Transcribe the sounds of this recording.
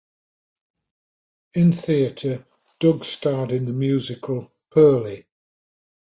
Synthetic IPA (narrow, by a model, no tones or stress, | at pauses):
ɪ̃nθiətʰə | d̥ʊɡstʰɑːdɪ̃nðəmjʉːzɪkʰəlˠ | pʰɜːlɪ